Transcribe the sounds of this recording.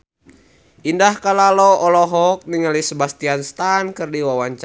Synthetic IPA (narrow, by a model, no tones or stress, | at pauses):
indahkalaloʔɔlɔɦɔk̚niŋalisəbast̪ianst̪ankɨrdiwawaɲt͡ʃ